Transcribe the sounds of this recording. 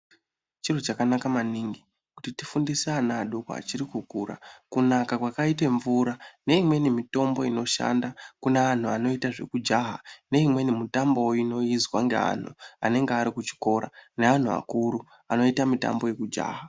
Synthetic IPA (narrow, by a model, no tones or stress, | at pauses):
t͡ʃir̤ot͡ʃakanakamaniŋɡi | kutitifundiseanaɗoka̰a̰t͡ʃiɾikukuːɾa̰kunakakwakaite̞ɱvuɾane̞imwe̞nimito̞mbo̞ino̞ʃa̰ndakunean̤uano̞itaʐe̞̰kud͡ʒaɦane̞imwe̞nimutambo̞ino̞izwaŋɡe̞̰a̰n̤ṵa̰ne̞ŋɡeaɾikut͡ʃi̥ko̞ɾa̰nean̤uʋa̰kuɾu | ano̞itamita̰mbo̞je̞kud͡ʒa̰ːɦa